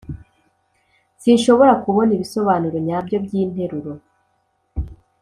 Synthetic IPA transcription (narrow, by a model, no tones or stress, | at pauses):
siʃo̞βo̞ɾakuβo̞niβiso̞βaːnuɾoɲabjo̞bɟiːn̥he̞ɾuɾo̞